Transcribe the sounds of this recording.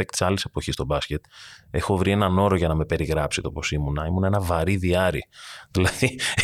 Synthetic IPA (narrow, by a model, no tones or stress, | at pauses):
ekt̪i̥sɐlise̞po̞çist̪o̞bɐsce̞t̪e̞xo̞vɾie̞nɐno̞ɾoʝɐnɐme̞pe̞ɾiɣɾɐpsit̪o̞po̞simunɐimunɐe̞nɐvɐɾiðiɐɾḭðilɐði